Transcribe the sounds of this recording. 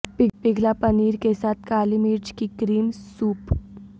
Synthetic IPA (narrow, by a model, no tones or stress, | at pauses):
pɪɡʱlapɐniːɾkesaːt̪ʰkaːlimiːɾt͡ʃkikɾiːmsuːp